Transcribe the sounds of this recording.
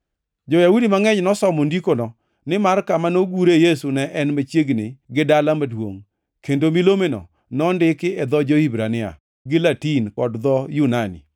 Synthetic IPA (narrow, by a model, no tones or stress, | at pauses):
d͡ʒɔjaudimaŋɛɲnɔsɔmɔndikonɔ | nɪmarkamanoɡuɾejesunɛʔɛnmat͡ʃjeɡnɪɡɪdalamadwo̰ŋ | kendomilomenɔ̰ | nɔndɪkɪɛd̪ɔd͡ʒɔhibɾanɪa̰ | ɡɪlatinkɔdd̪ɔjunanḭ